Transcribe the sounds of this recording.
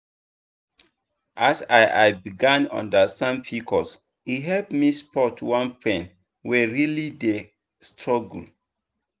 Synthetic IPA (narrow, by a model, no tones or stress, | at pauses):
ʔasaɪʔaɪbiɡãnɔ̰̃ndəsãmpʰikʰɔs | iɦɛlpmispɔtwãnpʰɛ̃n | wɛɹilide | stɹɔɡul̩